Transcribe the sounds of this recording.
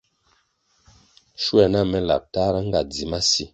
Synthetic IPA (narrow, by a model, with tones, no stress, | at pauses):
ʃwa˨na˦˨mɛ˦la̰˨p̚ta˦ɾa˦ŋ˦ɡa˨d͡zi˨ma˦si˦